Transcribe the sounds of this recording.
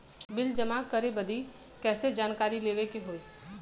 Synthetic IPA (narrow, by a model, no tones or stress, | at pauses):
bɪld͡ʒɐmaːkːəɾebɐd̪ʱi | kɛːsed͡ʒaːnkaːɾileːʋekeɦoːi